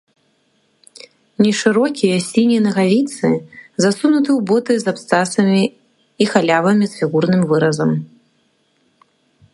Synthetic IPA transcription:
nʲɛʂɨɾɔkʲijɐsʲinʲinɐɣavʲit̪sɨzasunut̪ɨwbɔt̪ɨzapst̪asɐmʲiː | xalʲavɐmʲisfʲiɣurnɨmvɨɾɐzɐm

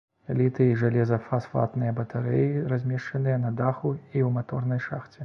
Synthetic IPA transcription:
lʲit̪ɨiʐalʲɛzɐfasfa̰t̪nɨjɐbɐt̪aɾɛjirazʲmʲɛʂt͡ʂɐnɨjɐnɐd̪axuiwmat̪ɔrnɐjʂaxt͡sʲɛ

